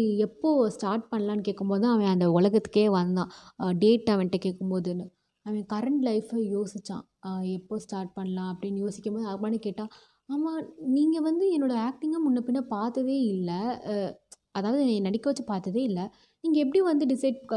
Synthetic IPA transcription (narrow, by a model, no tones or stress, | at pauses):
ɛpːoːsʈaːɾʈ̚pɐɳːɐlaːnɯkeːkːɯmpoːðɯãːʋẽɐnd̪ɐʊɭlɐɣɐt̪ːɯ̥kːeːʋɐnd̪ãːɖeːʈːɐʋɛɳʈːekeːkːɯmpoːðɯnːɯ | aːʋẽːkɐɾɐɳʈlɐɪfjoːsɪt͡ʃːã̰ː | ɛpːoːsʈaːɾʈ̚pɐɳːɐlãːɐpːɐɽɪnːjoːsɪkːɐmpboːðɐɣmaːnɯkeːʈːãː | aːmãːniːŋɡɐʋɐnd̪ɯɛnːoːɽɐaːk̚ʈɪŋɡɐmʊnːɐpːɪnːɐpaːɾt̪ɐðeːɪlːɐ | ɐðaːʋɐðɯñnɐɽɪkːɐʋɐt͡ʃːɯpaːɾt̪ɐðeːɪlːɐ | niːŋɡɐɛp̬ːɐɽij̃ʋɐnd̪ɯɖɪsɐɪɖ